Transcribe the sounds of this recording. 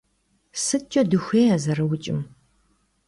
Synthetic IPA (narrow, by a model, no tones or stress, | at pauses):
sɨt͡ʃʼɐdɨxʷeːɐzɐrɨwʊt͡ʃʼɪ̰m